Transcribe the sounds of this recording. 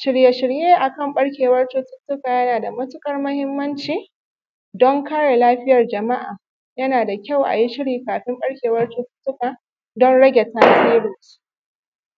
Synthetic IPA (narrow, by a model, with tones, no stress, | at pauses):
ʃɪ˦ɽje˦ʃɪ˦ɽjeː˦ʔa˨kɐ˦˨mɓɐ˦ɽkʲeː˨wɐ˦rtʊ˦tʊ˦tːʊ˦kaː˨jɐ˦naː˨da˨mɐ˦tʊ˦kʼɐ˦rmʊ˦hɪ˦mːɐ˦nt͡ʃiː˨ | dɔ˦ŋkaː˦ɽe˨laː˦ɸɪ˦jɐ˨rd͡ʒɐ˨ma˦ʔa̰ː˨ | jɐ˦naː˨da˨kʲa˦˨wʔa̰˨ji˦ʃɪ˦ɽiː˨kaː˨ɸɪ˦mɓɐ˦ɽkʲeː˨wɐ˦rtʊ˦tʊ̥˦tːʊ˦ka˨ | dɔ˦nɽɐ˦ɡʲɛ˨taː˦ziː˦ɽʊ˨s